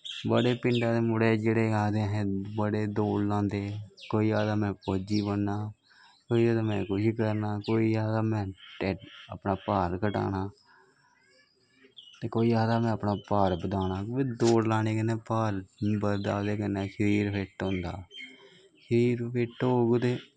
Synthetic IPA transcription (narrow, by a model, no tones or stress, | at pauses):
bəɽeːpɪɳɖaːd̪eːmʊɽeːd͡ʒeːɽeːaːd̪eːɦɛ̃ːbəɽeːd̪oːɽlãːnd̪eːkoːiːaːd̪aːmɛ̃ːpoːd͡ʒiːbənːaː | koːiːaːd̪aːmɛ̃ːkʊʃikəɾnaːkoːiːaːd̪aːmɛ̃ːʈɛːəpnaːpaːɾkəʈa̰ːnaː | t̪eːkoːiːaːd̪aːmɛ̃ːəpnaːpaːɾbəd̪aːnaːiːd̪oːɽlaːɽeːkənːeːpaːɾbəɾd̪aːd̪eːkənːɛ̃ːʃəɾiːɾpʰeʈɦʊ̃nd̪a̰ː | ʃəɾiːɾpʰeʈoːɡd̪eː